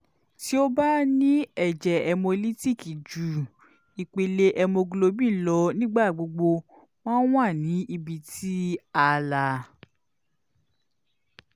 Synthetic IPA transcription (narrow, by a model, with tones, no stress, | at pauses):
ti˦o˦ba˦nĩ˦ɛ˦˨d͡ʒɛ˨ɛ˧mõ˧li˦ti˦˨ki˨d͡ʒu˨ | i˨k͡pe˧le˧ʔɛ˧mõ˧ɡu˧lo˧bĩ˦˨˦lɔ˨˧˦nĩ˦ɡ͡ba˦˨ɡ͡bo˧ɡ͡bo˧ | m̃ãː˦w̃a˦˨nĩ˨˦ʔi˧bi˧tʰi˦a˧la˧˨